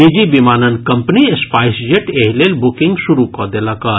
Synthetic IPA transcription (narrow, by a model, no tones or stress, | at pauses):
id͡ʒibimaːnənkɐmpniespaːɪsd͡ʒeʈeɦlelbʊkɪ̃ŋɡsuɾukɔd̪elaka